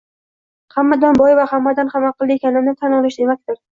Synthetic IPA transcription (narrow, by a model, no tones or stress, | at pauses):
hamːad̪ɒnbɒjvahamːad̪anχamaqʰɨlˠd̪ɪekʲanɪmnɪt̪ʰanɒlɪʃd̪e̞mak̚ʲt̪ɪɾ